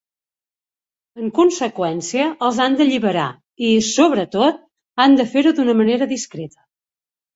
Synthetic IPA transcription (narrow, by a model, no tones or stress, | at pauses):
əŋkunsəkwɛnsiəəlˠzand̪əʎiβəɾa̰ | isoβɾət̪ot̪̚ | and̪əfeɾud̪unəməneɾəðiskɾet̪ə̥